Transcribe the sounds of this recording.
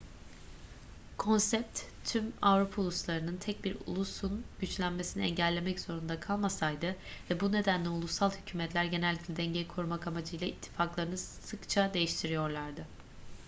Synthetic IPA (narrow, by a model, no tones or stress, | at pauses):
kʰo̞nsɛp̚t̪t̪ʰːymavɾupʰaulˠuslˠaɾɯnɯnt̪ʰɛc̚biɾṵlˠusunɟyt͡ʃlʲænmesiniɛ̰ɲɟælʲːe̞mɛcz̥o̞ɾund̪akʰalˠmasajd̪ɯvɛbune̞d̪ænlʲɛulˠusalˠhycʰyːmɛt̪lʲæɾɟe̞nɛlʲːiclʲɛd̪ɛɲɟejikʰo̞ɾumakamad͡ʒɯjlˠait̪ʰːi̥faklˠaɾɯnɯssɯkt͡ʃʰad̪e̞jiʃt̪ʰiɾijo̞ɾlˠaɾd̪ɯ